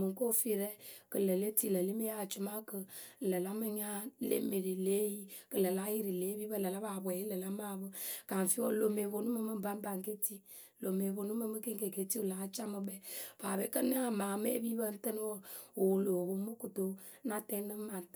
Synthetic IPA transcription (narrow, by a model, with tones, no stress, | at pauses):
mɨ˨ŋko˦fi˦ɾɛ˦kə˨lə˨le˦ti˦˨lə˨le˦me˦a˦˨t͡ʃu˨ma˦kə˨lə˨la˦mə˦ɲa˦lḛ˨˦me˨ɾi˨le˦ji˦kɨ˨lə˨la˦ji˦ɾi˨le˨˦bi˦bə˦˨lə˨la˦ba˨bwɛ˨ji˦lə˨la˦ma˦˨bə˦ka˨n˨fi˦o̰˦lo˨me˨bo˨nu˦mə˦mɨ˦m˦ba˦m˦ba˨ŋke˦ti˦ | lo˨me˨bo˨nu˦mə˦mɨ˦ke˦ŋke˨ke˨˦ti˦u˨la˨ŋa˦t͡ʃa˦mə˨bɛ˦˨paː˨be˨˦kə˦n˦a˦˨maː˨me˦bi˦bə˦n̩˦tɨ˦n˦wo˦o˨lo˨bo˨˦mɨ˦ku˨to˨˦ | na˦tɛ˦nɨ˦ma˨n˨t